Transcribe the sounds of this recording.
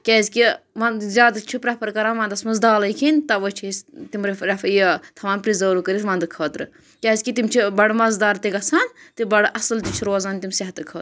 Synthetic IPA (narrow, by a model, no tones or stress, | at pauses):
kʲɛːzʲkiʋɐnzʲaːd̪ɐt͡ʃʰipɾɐpɐɾkɐɾaːnʋɐ̃nd̪ɐsmɐzd̪aːlɐjkʰinʲt̪ɐʋət͡ʃʰiist̪imɾɐɾɐfjit̪ʰɐʋaːnpɾizəːɾukəɾʲizʋɐ̃nd̪ɨkʰəːt̪ɾɨ | kʲɛːzʲkit̪imt͡ʃʰibɐɽmɐzd̪aːɾt̪iɡɐsʰaːnt̪ibɐɽʔɐslt̪it͡ʃʰiɾoːzaːnt̪imsɐɦt̪ɨkʰəːt̪